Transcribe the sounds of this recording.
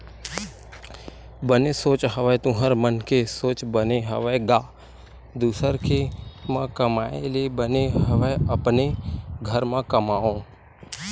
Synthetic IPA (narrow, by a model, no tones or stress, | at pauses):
bənesoːt͡ʃɦəʋət̪ũɦəɾmənkesoːt͡ʃbəneɦəʋəɡaː | d̪uːsəɾkʰemãkəmaːḛlebəneɦəʋəəpneɡʱəɾmãkəmaːõː